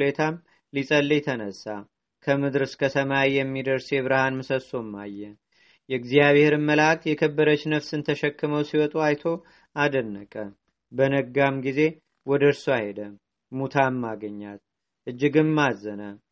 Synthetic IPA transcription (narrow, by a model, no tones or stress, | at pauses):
let̪ʰam | lisʼəlːijt̪ʰənəsːa | kʰəmɨd̪ɨɾɨskʰəsəmawjɛmːid̪əɾse̞βɨɾɨhanmɨsəso̞mːa̰jːɛ | jɛɨɡzijaβheɾɨmːəlak̚t̪jɛkʰəbːəɾət͡ʃːnəfsɨnt̪ʰəʃɛkːɨməwsiwɔt̪ʼuajt̪ʰo̞ | ʔad̪ənːəkʼə | bənəɡamɡize̞ | wɔd̪əɾsuahed̪ə | mut̪ʰamːaɡəɲːat̪̚ | ʔɨd͡ʒːɪɡɨnmazːənə